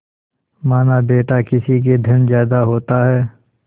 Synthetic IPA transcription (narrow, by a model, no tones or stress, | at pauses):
maːnabeːʈakɪsik̬ed̪ʱɐnzjaːd̪aɦoːt̪aɦɛː